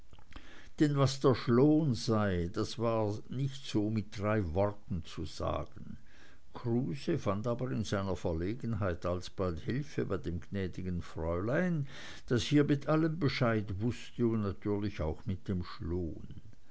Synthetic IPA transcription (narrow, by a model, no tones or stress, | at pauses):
d̥ɛnvasd̥eːɐʃloːnzaɪd̥asv̥aːnɪçtz̥oːmɪt̚d̥ʁaɪvɔʁtn̩t͡suz̥a̰ːɡ̥ən̩ | kʰʁuːzəfantaːbəʁɪnzaɪnɐfɛɐleːɡən̩ɦaɪtalsb̥althɪlfəbaɪdeːmɡnɛːdɪɡənfʁɔʏlaɪn | d̥ashiːɐmɪtʰʔaləmbəʃaɪtvʊstəunatʰyːɐlɪçaʊxmɪt̚d̥eːmʃloːn